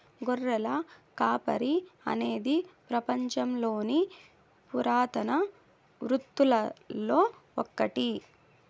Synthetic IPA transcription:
ɡɔrːɐlɐkaːpɐ̰ɾiɐ̰ne̞ːd̪ipɾɐpɐɲt͡ʃɐmlo̞ːni | puɾaːt̪ɐnɐ | ʋɾut̪ːulɐlo̞ː | ɔ̰kːɐʈi

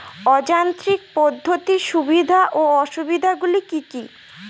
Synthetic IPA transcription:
ɔd͡ʑant̪ɾik̚pod̪ʱːot̪iʃubid̪ʱaʔoɔʃubid̪ʱaɡulikiki

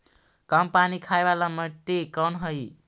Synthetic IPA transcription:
kəmpanikʰajbalaməʈːekənɦəj

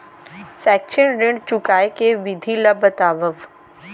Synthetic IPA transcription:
sɛːkʃənɾɪ̃ɳɖt͡ʃʊkaːekeʋɪd̪ʱiləbət̪aːʋəʋ

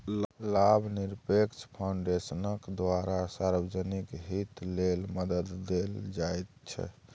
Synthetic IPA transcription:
llabʱniɾpekt͡ʃʰpʰauɳɖesənəkd̪waɾasaɾbəd͡ʒənikɦit̪lelməd̪əd̪ːeld͡ʒajt̪t͡ʃʰɛ̰

